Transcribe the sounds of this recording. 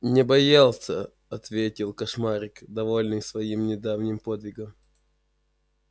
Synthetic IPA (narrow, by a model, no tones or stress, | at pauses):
nʲɪbɐjalˠsʲə̰ | ɐt̪vʲetʲɪlˠkɐʂmaɾʲɪkd̪ɐvo̞lʲnɨjsvɐimnʲɪd̪avnʲɪmpo̞d̪vʲɪɡəm